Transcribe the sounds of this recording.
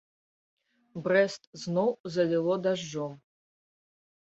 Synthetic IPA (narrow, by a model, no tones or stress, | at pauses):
bɾɛst̪znɔwzɐlʲilˠɔd̪aʐːɔm